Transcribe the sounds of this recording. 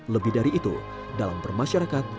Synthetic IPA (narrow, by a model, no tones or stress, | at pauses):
ləbiɦdaɾiːt̪ṵ | dalambərmaʃaɾakat̪̚